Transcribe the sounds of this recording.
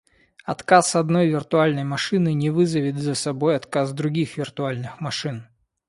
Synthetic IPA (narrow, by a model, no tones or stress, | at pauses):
ɐt̪kasɐd̪nɔjvʲɪrt̪ʊalʲnəjmɐʂɨnɨnʲɪvɨzɐvʲɪd̪zɐsɐbojɐt̪kazd̪ɾʊɡʲixvʲɪrt̪ʊalʲnɨxmɐʂɨn